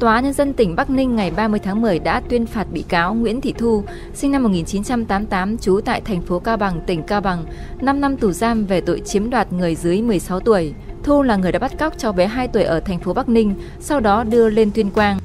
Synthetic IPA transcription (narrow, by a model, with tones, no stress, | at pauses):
t̪waː˨˦ɲə˧nzə˧nt̪ï˧˩ŋ̟ɓa˦˥k̚nï˧ŋ̟ːa˨˩jɓaː˧mɨ˧jt̪ʰːŋmɨ˨˩əjɗa̰ː˧˥t̪wi˧ənfaː˨˩t̚ɓḭ˧˨kaː˨˦wŋwḭ˧˥ənt̪ʰḭ˧˨t̪ʰu˧ | sï˧ŋna˧mːo˨˩t̚ŋi˨˩nt͡ɕi˨˦nt͡ɕa˧mt̪aː˨˦mt̪aː˨˦mt͡ɕu˨˦t̪a̰ː˧˨jt̪ʰɛ˨˩jŋ̟fo˨˦kaː˧wɓa˨˩ŋt̪ï˧˩ŋ̟kaː˧wɓa˨˩ŋ | na˧mna˧mt̪u˧˩zaː˧mve˨˩t̪o̰˧˨jt͡ɕi˨˦əmɗwaː˨˩t̚ŋɨ˨˩əjzɨ˨˦əjmɨ˨˩əjsa˨˦wt̪u˧˩əj | t̪ʰu˧laː˨˩ŋ˨˩jɗa̰˧˥ɓt̚kk͡p̚t͡ɕɔ˧˩wɓɛ˨˦ɦaː˧jt̪u˧˩əjʔəː˧˩t̪ʰɛ˨˩ŋ̟fo˨˦ɓa˦˥k̚nï˧ŋ̟ | sa˧wɗɔ˨˦ɗɨ˧əle˧nt̪wi˧ənkwaː˧n